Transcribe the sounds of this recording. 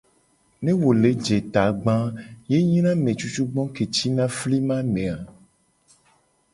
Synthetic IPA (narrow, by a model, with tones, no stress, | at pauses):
nẽ˦wo˨le˨˦d͡ʒe˨t̪a˨ɡ͡bã˦je˦ɲĩ˦nã˦mẽ˨t͡ʃu˦t͡ʃu˦ɡ͡bɔ̃˦ke˨t͡ʃi˦nã˦fli˦mã˦mẽ˨a˨